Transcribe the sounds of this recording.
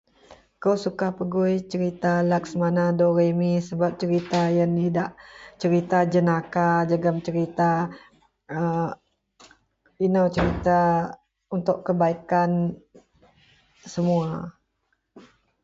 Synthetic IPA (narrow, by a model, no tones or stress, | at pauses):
kosukahpəɡujt͡ʃəɾit̪alak̚səmanadoɾemisəbap̚t͡ʃəɾit̪ajənidaʔt͡ʃəɾit̪ad͡ʒənakad͡ʒaɡamt͡ʃəɾit̪a | ə | inawt͡ʃəɾit̪a | unt̪ʊʔkːəbaikan | səmua